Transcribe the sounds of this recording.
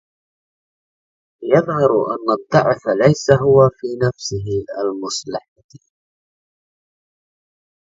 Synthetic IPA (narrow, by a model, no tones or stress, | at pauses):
jɑðˤhɑɾˤʔa̰nːad̪ˤːɑʕflajsaɦʊwafiːnafsɪɦɪalmʊsˤlɪħɪd̪